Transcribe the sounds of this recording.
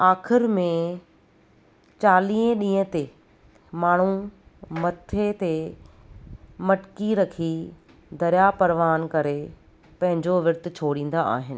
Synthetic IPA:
aːxɪɾmẽ | t͡ɕaːliːə̃ɗĩːə̃t̪e | maːɳ̤umɐt̪ʰet̪e | mɐʈkiɾɐkʰi | d̪ɐɾjapɐɾʋaːnkɐɾe | pɐ̃ɦɪ̃ɲd͡ʑoʋɪɾt̪ɪt͡ɕʰoːɽĩːn̆d̪aa̰ːɦɪnɪ̆

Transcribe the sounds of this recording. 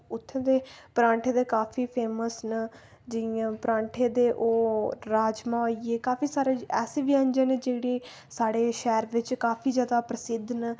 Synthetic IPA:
ʊt̪ʰːẽːd̪eːpɾãːɳʈʰeːd̪eːkaːpʰiːpʰeːməsnə | d͡ʒɪãːpɾãːɳʈʰeːd̪eːʔoːɾaːd͡ʒmãːoːieːkaːfʰiːsaːɾeːɛːseʋiə̃ɲd͡ʒənd͡ʒeːɽeː | saːɽeːʃɛːɾʋɪt͡ʃkaːpʰiːd͡ʒjaːd̪aːpɾəsɪd̪n

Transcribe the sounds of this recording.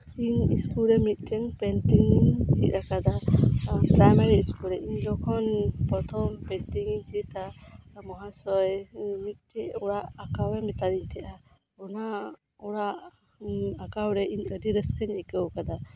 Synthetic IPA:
iɲḭskulɾɛmit̪̚ˀkʰɛŋpɛntiŋit͡ʃit̪̚ɾakad̪a | pɾajmɛɾiːskulɾɛʔiɲd͡ʒɔkʰɔnpɔt̪ʰɔmpɛnt̪iŋiɲt͡ʃiʔt̪amɔɦasɔjmit̪̚ˀtɛʔɔɽaʔakawɛmit̪aɾiɲt̪ʰɛʔa | ɔna | ɔɽaʔ | akawɾɛʔiɲədiɾɛskɛɲɛkɛwkad̪a

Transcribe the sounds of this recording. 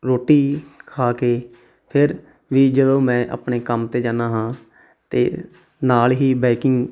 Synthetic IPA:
ɾoːʈːiːkʰaːkeː | pʰɪɾ | ʋiːd͡ʒəd̪õːmɛ̃ːʔə̰pɳeːkəmt̪eːd͡ʒaːnaːɦãː | t̪ḛː | naːlɦiːbɛːkɪŋɡ

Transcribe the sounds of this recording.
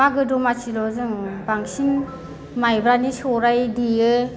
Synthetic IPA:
maɡɯdɔmasʰilɔzɯŋbaŋsin | majbɾanisɔɾajdiɯ

